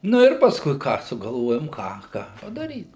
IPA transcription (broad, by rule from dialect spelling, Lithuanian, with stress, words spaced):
ˈnʊ ɪr pɐsˈkʊɪ ˈkɑː sʊɡɐlˠˈʋoːjoːm ˈkɑː ˈkɑː pɐdɐˈrʲiːt